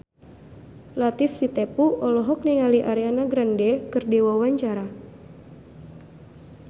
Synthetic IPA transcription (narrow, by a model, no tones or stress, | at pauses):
lat̪ifsit̪ɛpuʔɔlɔɦɔk̚niŋaliʔaɾianaɡɾandɛkɨrdiwawaɲt͡ʃaɾa